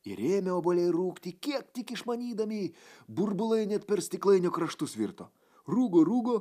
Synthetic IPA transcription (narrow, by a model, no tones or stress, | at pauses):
ɪɾʲeːmʲɛoːbolʲɛɪɾuːkt̪ʲiːkʲiɛk̚t̪ʲɪkɪʃmɐnʲiːd̪ɐmʲiːbʊɾbʊlˠɐɪnʲɛt̪pʲɛɾsʲt̪ʲɪklˠɐɪnʲʊkɾɐʃt̪ʊsʋʲḭɾt̪o̰ː | ɾuːɡoːɾuːɡoː